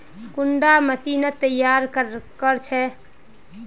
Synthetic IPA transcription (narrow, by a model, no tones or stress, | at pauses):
kuɳɖaməsinət̪ːəjːaɾkəɾkəɾt͡ʃʰɛ